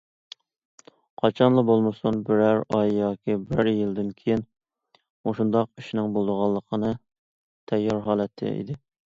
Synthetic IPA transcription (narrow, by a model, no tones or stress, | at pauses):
qʰɑt͡ʃʰɑnlˠəbolˠmɨsunbɪɾæɾɑjjɑːkʲibɾæɾjild̪ɪnkʲʰejin | moʃund̪ɑqyʃnɪŋbolˠd̪əʁɑlˠːəqʰənɨ | t̪ʰɛjːɑɾɦɑːlˠɛt̪ʰːɪ̰ḭd̪ɪ